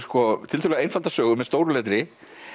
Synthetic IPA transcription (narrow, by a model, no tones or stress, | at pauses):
skɔt̪ʰɪlt̪ʰʏlɛaejnfalt̪asœːɣʏmɛðst̪oːwɾʏlɛːt̪̬ɾɪ